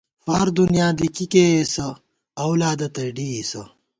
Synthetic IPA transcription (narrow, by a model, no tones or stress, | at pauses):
fa̰ːɾd̪unjaːd̪ikikeesɐ | ɐwlaːd̪ɐt̪ɐɖiːsɐ̰